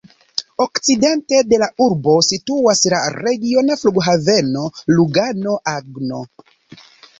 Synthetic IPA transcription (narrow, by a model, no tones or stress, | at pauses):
okt͡side̞nte̞de̞lauɾbo̞situaslaɾe̞ɡio̞nafluɡɦave̞no̞luɡano̞ʔaɡno̞